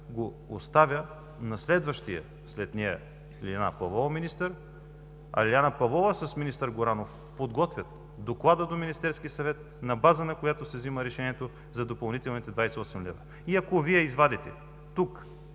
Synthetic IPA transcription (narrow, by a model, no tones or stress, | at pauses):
ɡo | ost̪avʲjə | nɐslɛd̪vɐʃt̪ijɐ̰ | slɛt̪nɛjɛ̰ | lianə̰pɐvˠɔvɐminist̪əɾ | ɐ̰lʲianɐpɐvˠɔvəsəsminist̪əɾɡoɾanof | pod̪ɡɔt̪vʲət̪ | d̪oklˠad̪əd̪ominist̪ɛɾskiəsɐvɛt̪̚ | nɐbazɐnɐkojat̪osɛvziməɾɛʃɛniɛt̪o | zɐd̪opɐlˠnit̪ɛlˠnit̪ɛd̪vajsɛɔsɛmlɛvɐ | iɐkoviɛizvad̪ɛt̪ɛ | t̪uk